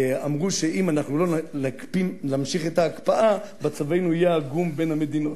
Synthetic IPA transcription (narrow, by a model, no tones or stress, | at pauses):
amʁuʃeʔimanaχnulo̞lakpimlamʃiχet̪aːkpaʔa | bat͡savejnuajeaɡumbe̞name̞d̪ino̞t